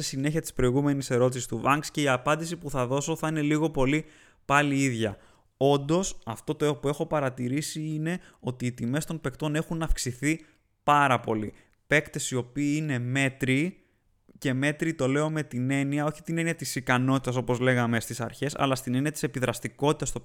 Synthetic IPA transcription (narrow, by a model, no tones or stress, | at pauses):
sesine̞çiɐt̪i̥spɾo̞iɣume̞nise̞ɾo̞t̪̬isi̥st̪uvɐŋɡsce̞iɐpɐnd̪isipuθɐðo̞so̞θɐine̞liɣo̞po̞li | pɐliiðʝɐ | o̞nd̪o̞sɐft̪o̞t̪oepue̞xo̞pɐɾɐt̪iɾisiine̞o̞t̪iːt̪ime̞st̪o̞npe̞kt̪o̞ne̞xunɐfksiθi | pɐɾɐpo̞li | pe̞kt̪e̞sio̞piːine̞me̞t̪ɾi | ce̞me̞t̪ɾit̪o̞le̞o̞me̞t̪ine̞niɐo̞çi̥t̪ine̞niɐt̪isikɐno̞t̪it̪ɐso̞po̞zle̞ɣɐme̞st̪isɐ̰ɾçe̞sɐ̰lɐst̪ine̞niɐt̪i̥se̞piðɾɐst̪iko̞t̪i̥t̪ɐst̪o